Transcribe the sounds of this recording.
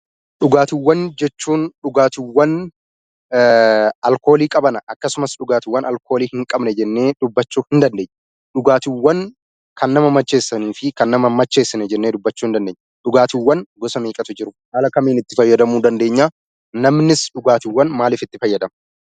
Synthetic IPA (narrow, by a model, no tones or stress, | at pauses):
ᶑʊɡaːt̪ɪwːɐnd͡ʒɛt͡ʃːuːnɗʊɡaːt̪ɪwːɐn | ɐlko̞ːliːkʼɐbɐnɐʔɐkːɐsʊmɐsɗʊɡaːt̪ɪwːɐnʔɐlkʰo̞ːliːhɪŋkʼɐbnɛd͡ʒɛnːe̞ːd̪ʊbːɐt͡ʃːuːhɪnd̪ɐnd̪eːɲːɐ̥ | ᶑʊɡaːt̪ɪwːɐn | kʰɐnːɐmɐmɐt͡ʃːe̞ːsːɐniːfɪkɐnːɐmɐmɐt͡ʃːe̞ːsːɪnɛd͡ʒɛnːeːd̪ʊbːɐt͡ʃːuːɪnd̪ɐnd̪eːɲː | ᶑʊɡaːt̪ɪwːɐnɡɔsɐmeːkʼɐt̪ʊd͡ʒɪɾʊhaːlɐkɐmeːnɪt̪ːɪfɐjːɐd̪ɐmuːd̪ɐnd̪e̞ːɲːaː | nɐmnɪsᶑʊɡaːt̪ɪwːɐnmaːlɪːfɪt̪ːɪfɐjːɐd̪ɐmɐ